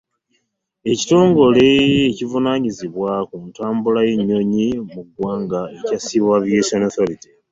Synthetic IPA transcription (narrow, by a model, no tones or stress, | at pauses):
e̞ci̥to̞ːŋɡo̞le̞ecivunaːɲiziβwakuntaːmbulajeɲːo̞ɲimuɡwaːŋɡaecasiβaviesonoθoɾiti̥